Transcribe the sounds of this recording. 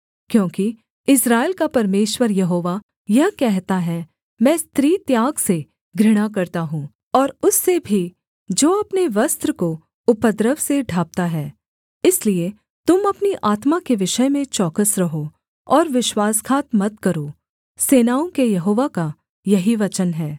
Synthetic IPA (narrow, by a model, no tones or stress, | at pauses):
kjõːki | ɪsɾaːeːlkapɐɾmeːʃwəɾjɐɦoːʋa | jɐɦkɛɦt̪aɦɛ | mɛ̃ːst̪ɾiːt̪jaːɡse | ɡɾɪɽ̃akɐɾt̪aɦũː | ɔːɾʊsːebʱi | d͡ʒoːɐpneʋɐst̪ɾəko | ʊpəd̪ɾəʋseɖʱaːp̚t̪aɦɛː | ɪslie | t̪ʊmɐpniʔaːt̪makeʋɪʃəmẽt͡ʃɔːkəsɾɐɦo | ɔːɾʋɪʃwaːskʰaːt̪mɐt̪̚kɐɾoː | seːnaːõkejɐɦoːʋaka | jɐɦiʋɐt͡ʃənɦɛː